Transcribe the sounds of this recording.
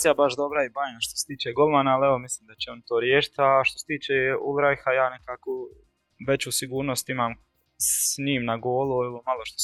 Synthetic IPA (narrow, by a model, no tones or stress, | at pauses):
ijabaʃd̪obɾaibajemaʃt̪ose̥t̪iːt͡ʃeɡo̞lˠmaːnaːleʋo̞misliːmd̪at͡ɕeo̞nt̪oːɾjeːʃi̥t̪aʃt̪oset̪iːt͡ʃeṵlɾajxajaːne̞kaːko | ʋe̞t͡ɕuːsiɡuːɾnost̪imaːm | sɲiːmnaɡo̞ːlˠuilomalˠo̞ʃt̪o